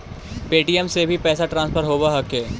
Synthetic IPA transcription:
peːʈijɛmsebʱipɛːsaʈɾãːnspʰəɾɦoːbaɦɐkeː

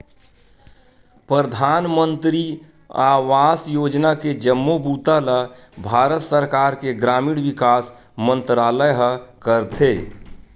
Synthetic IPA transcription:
pɾəd̪ʱaːnmə̃nt̪ɾi | aːʋaːsjoːd͡ʒnaked͡ʒəmːobuːt̪alə | bʱaːɾət̪səɾkaːɾkeɡɾaːmiɽʋikaːs | mə̃nt̪ɾaːləjɦəkəɾt̪ʰe

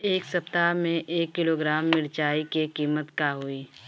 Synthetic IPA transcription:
eːksəp̚t̪amẽʔeːkːɪloːɡɾaːmːɪɽt͡ʃaːikekiːmət̪kaɦoiː

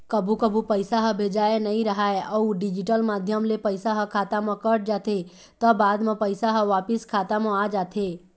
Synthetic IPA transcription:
kəbʱukəbʱupəɪsaɦə̃bʱed͡ʒajenəɦĩɾəɦaeʔəuɖɪd͡ʒɪʈəlmad̪ʱjəmlepəɪsaɦəkʰaːt̪amə̃kəʈd͡ʒat̪ʰe | t̪əbaːd̪mãpəjsaɦə̃ʋapɪskʰat̪amãad͡ʒaːt̪ʰe

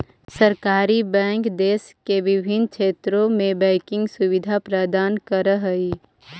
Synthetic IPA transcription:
səɾkaːɾibɛ̃ːŋkd̪eːskeʋɪbʱɪnkt͡ʃʰeːt̪ɾõmẽbɛ̃ːkɪ̃ŋɡsʊʋɪd̪ʱapɾəd̪aːnkəɾəɦəi

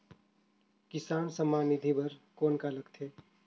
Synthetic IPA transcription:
kɪsaːnsəmaːnid̪ʱibʱəɾkoːnkaləɡt̪ʰeː

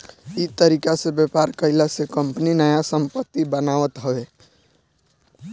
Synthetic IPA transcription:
it̪əɾikasebjepaɾkəɪlasekəmpninəjasəmpət̪ːibənaʋət̪ɦəʋe

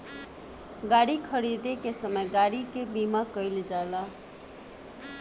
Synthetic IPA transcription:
ɡaɽikʰəɽid̪ekesəməjɡaɽikebimakəjld͡ʒala

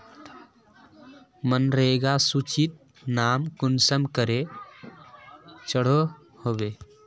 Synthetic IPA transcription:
mənɾəɦeɡasut͡ʃit̪̚ | naːmkʊnsəmkəɾe | t͡ʃəɽ̤o | hobeː

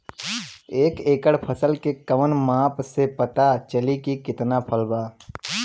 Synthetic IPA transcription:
eːkeːkəɽpʰəsəlkekəʋənmãːpsepət̪at͡ʃəlikikɪt̪napʰəlbaː

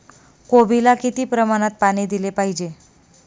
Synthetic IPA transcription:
kobilakit̪iːpɾəmaɽ̃at̪̚paɽ̃iːd̪ilepaɦid͡ʑe

